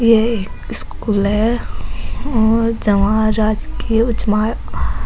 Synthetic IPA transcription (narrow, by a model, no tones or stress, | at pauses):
jeeːkɪskuːlɦɛ | ɔːd͡ʒɐʋãɾaːd͡ʒkiʊt͡ʃmaːj